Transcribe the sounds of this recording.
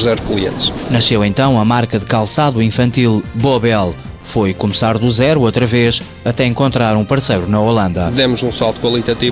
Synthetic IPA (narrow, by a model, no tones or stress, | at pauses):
zɛɾklˠiḛ̃nt̪ʃnɐʃewẽnt̪ɐ̃w̃ɐmaɾkɐðɨkalˠsaðuĩfɐ̃nt̪ilˠbɔβɛlˠ | fojkumɨsaɾðuzɛɾuot̪ɾɐveʃ | ɐt̪ɛẽŋkõnt̪ɾaɾũpɐɾsejɾunɐolˠɐ̃nd̪ɐðɛmuzũsalˠt̪ukwɐlˠit̪ɐt̪i